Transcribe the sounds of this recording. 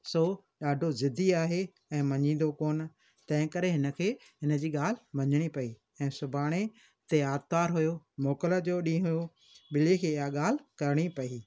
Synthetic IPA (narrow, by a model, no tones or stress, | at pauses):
soː | ɗaːɖʱozɪd̪ʱiaːɦe | ɛ̃ːmɐɲĩːn̆d̪okoːn | t̪ɐ̃ɦɪ̃kɐɾeɦɪnə̆kʰeː | ɦɪnə̆d͡ʑiːɠaːl̤ɪmɐɲəɽ̃ipɐi | ɛ̃ːsʊbʱaːɽ̃e | t̪eaːt̪t̪aːɾɦʊjomoːkələd͡ʑoːɗĩːɦʊjo | ɓɪlikʰeːɪjaɠaːl̤ɪkɐɾɪɽ̃ipɐiː